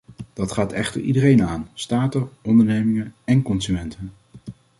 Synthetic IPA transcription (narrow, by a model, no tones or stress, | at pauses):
d̥ɑtχaːtɛ̰χtə̰ɹʔḭdəɾejnaːnstaːtəɔndəɹnejmɪŋənɛnkɔnsymɛntʰən